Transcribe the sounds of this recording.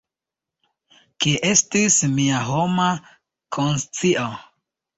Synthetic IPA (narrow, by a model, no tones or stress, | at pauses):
kiʔestismiaɦoma | kʰonst͡siʔo